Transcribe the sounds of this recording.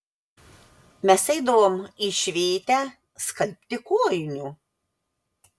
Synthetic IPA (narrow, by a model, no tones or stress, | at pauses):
mʲɛsɛɪd̪ɐʋoːmiʃʲʋʲeːt̪ʲæ | skɐlʲpʲt̪ʲɪkuɔjɪnʲuː